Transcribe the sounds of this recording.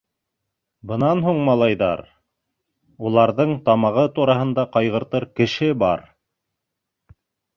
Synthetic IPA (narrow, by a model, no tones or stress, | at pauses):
bɤ̆nɑnhuɴmɑlˠɑjðɑ̰ɾ | ulˠɑɾðɤɴt̪ɑmɑʁɤt̪uɾɑhɤ̆nd̪ɑqɑjʁɤ̆ɾt̪ɤɾkɘ̆ʃɘbɑ̰ɾ